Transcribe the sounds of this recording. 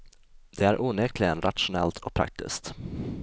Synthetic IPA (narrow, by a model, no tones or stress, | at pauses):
d̪ɛæɾʔuːnɛk̪ʰlɪɡənɾat̪ʂʊnɛ̰lt̪ʰɔk̚pʰɾa̰k̚t̪ɪ̰skt̪